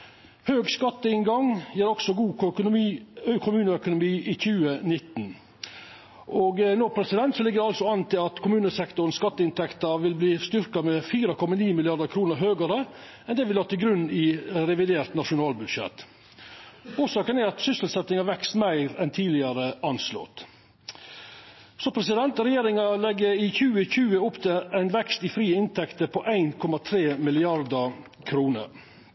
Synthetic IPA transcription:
høːɡskɑt̪ːəɪŋɡɑŋjæːɾɔɡ̥sɔɡuː | kʰʊmʉːnəœkʊnʊmiːʔɪçʉːənɪt̪ːn̩ | ʔoɡnoːpʰɾɛsɪd̪ɛnt̪sɔlɪɡːəɾɑlsɔɑnt̪ɪlɑt̪kʰʊmʉːnəsɛkt̪ʊɾənskɑt̪ːəɪnt̪ʰɛkt̪əɾʋɪlbliːst̪ʏɾkɑmɛfiːɾɑkʰɔmːɑniːmɪlɪɑɾd̪əɾkʰɾuːnəɾɦøːɡəɾə | ɛnd̪ɛʋɪlhɑːt̪ʰɪlɡɾʉnːɪɾɛʋɪd̪eːɾt̪nɑʂʊnɑːlbʉd̪ʂɛ̰t̪ | uːʂɑːkənæɾɑt̪sʏsəl̩t̪sɛt̪nɪŋɑʋɛkst̪mæɪɾɛnt̪ʰiːlɪɑɾəʔɑnslɔ̰ːt̪ | sɔpʰɾɛsɪd̪ɛnt̪ɾɛjeːɾɪŋɑlɛɡːəɾɪçʉːəçʉːəʊpt̪ʰɪæɪnʋɛkst̪ɪfɾiːɪnt̪ʰɛkt̪əɾpʰɔʔæɪnkʰɔmɑt̪ʰɾeːmɪlɪɑɾd̪ə | kʰɾuːnə̰ɾ

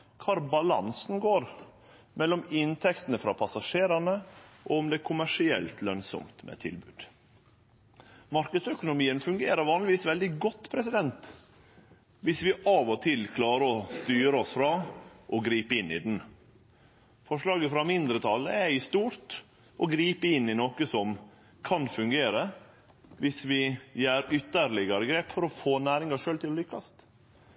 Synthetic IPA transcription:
kʰɑːɾbɑlɑ̰nsnɡoːɾ | mɛlːɔmɪnt̪ʰɛkt̪ənəfɾɑ̰pʰɑsɑʂeːɾɑnəʔɔɔmd̪ɛːkʰʊmæʂɪɛ̰lt̪ʰlœŋsɔ̰mt̪mɛ̰t̪ʰɪ̰lbʉːd̪̥ | mɑɾkəd̪sœkʊnʊmiːənfʉŋɡeːɾəɾʋɑːnlɪʋiːsʋɛld̪ɪɡɔt̪ːpʰɾɛsɪd̪ɛnt̪ | ʋɪsʋɪʔɑʋɔt̪ʰɪlkʰlɑːɾəɔst̪yːɾəɔsfɾɑʔɔɡɾiːpəɪnːɪ̰d̪n̩ | fɔʂɭɑːɡəfɾɑmɪnd̪ɾət̪ʰɑlːə̰ɛɪst̪uːɾt̪ | ʔɔɡɾiːpəɪnːɪnoːkəsɔm | kʰɑnfʉŋɡeːɾə | ʋɪsʋɪjæːɾʏt̪ːəɾlɪɡɑɾəɡɾeːpfɔɾɔfoːnæːɾɪŋɑʂøːlt̪ʰɪlɔlʏkːɑst̪

